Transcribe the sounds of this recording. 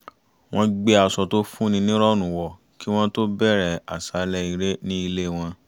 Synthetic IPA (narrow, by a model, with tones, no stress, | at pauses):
w̃ɔ̃˦ɡ͡be˦a˧sɔ˧to˦fũ˦nĩ˧nĩ˦ɾɔ˦˨nũ˨wɔ˨ | ki˦w̃ɔ̃˦to˦bɛ˦˨ɾɛ˨a˨sa˨˦lɛ˧˦i˧ɾe˦nĩ˦i˧le˦˨w̃ɔ̃˧